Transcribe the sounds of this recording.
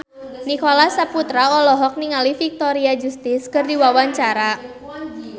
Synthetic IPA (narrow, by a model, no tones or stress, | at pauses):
nikolasaput̪ɾaɔlɔɦɔk̚niŋalifik̚t̪oɾiad͡ʒust̪ɪskɨrdiwawaɲt͡ʃaɾa